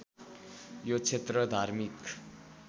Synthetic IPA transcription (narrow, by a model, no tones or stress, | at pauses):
jot͡sʰet̪rʌd̪ʱaɾmik